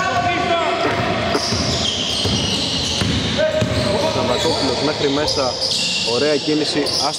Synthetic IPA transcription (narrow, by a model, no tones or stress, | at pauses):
sɐmɐt̪o̞pulo̞zme̞xɾime̞sɐ | o̞ɾe̞ɐcinisi | ɐs